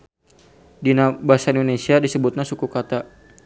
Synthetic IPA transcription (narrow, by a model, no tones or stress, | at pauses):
dinabasaindonesiadisəbut̪̚nasukukat̪a